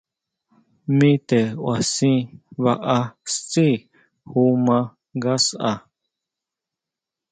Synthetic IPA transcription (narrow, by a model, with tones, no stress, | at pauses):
mĩ˦t̪e˨wa˨sĩ˦βa˧ʔa˧st͡si˦ | hu˦mã˧ | ɡa˦sa˧˨